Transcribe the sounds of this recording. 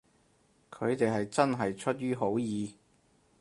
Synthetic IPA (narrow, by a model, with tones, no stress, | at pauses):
kʰɵ˨˧ɥt̪e˨jɦɐ˨jt͡sɐ˥nɦɐ˨jt͡ʃʰɵ˥t̚jyː˥ɦo˨˥wjiː˨˧